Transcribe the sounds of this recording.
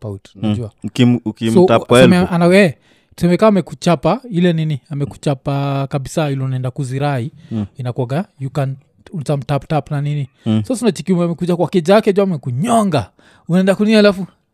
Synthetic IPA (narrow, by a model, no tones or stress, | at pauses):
pautunad͡ʒuakiukisɔakɛmɛanaɛ | tu̥sɛmɛkaːmɛkut͡ʃapailɛniniamɛku̥t͡ʃapakaɓisailɔunaɛndakuziɾaiinakɔɡajukan | untam̩taptapnaninisasunat͡ʃikumamɛkud͡ʒakwakɛd͡ʒakɛd͡ʒuamɛkuɲɔŋɡa | unaɛndakuninialafu